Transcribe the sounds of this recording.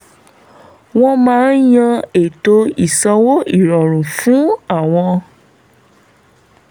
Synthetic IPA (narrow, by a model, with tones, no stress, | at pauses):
w̃ɔ̃˦mãː˦n˦jã˧e˦˨to˧˦i˦˨sɔ˧wo˦i˦˨ɾɔ˨ɾ̃ũ˨fũ˨˦a˦˨w̃ɔ̃˧